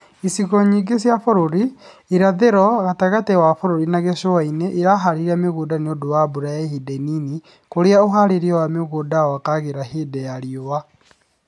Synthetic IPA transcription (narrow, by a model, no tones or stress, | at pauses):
isiɣɔɲiːɡesjafoɾoɾiː | ɾaðeɾɔɣataɣatewafoɾoɾinaɣeʃowaineʔiɾaɦaɾiɾameɣoːdaneodowabuɾajahidenini | koɾeaoɦaɾeɾawameɣoːdaakaɣeɾaheːdɛjaɾjowa